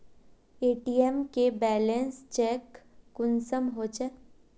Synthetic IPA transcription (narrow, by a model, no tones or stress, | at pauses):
eːʈiːemkebɛːlẽnst͡ʃɛkːʊnsəmɦot͡ʃɛ